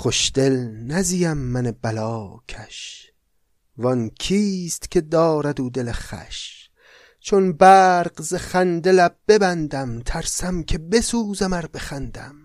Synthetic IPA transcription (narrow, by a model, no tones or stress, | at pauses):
χʰoʃd̪̥e̞lnæzijæmːænebælɒːkʰæʃ | vɒnkʰiːst̪kʰe̞d̪ɒːɾæd̪uːd̪e̞leχæ̰ʃ | t͡ʃʰonbæːɾqzeχænd̪elæb̚b̥e̞bænd̪æmt̪ʰæɾsæmkʲʰe̞be̞suːzæmæɾbe̞χænd̪æm